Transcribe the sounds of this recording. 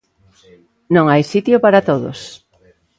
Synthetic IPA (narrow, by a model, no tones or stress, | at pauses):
nõŋajsit̪jopaɾat̪oðo̰s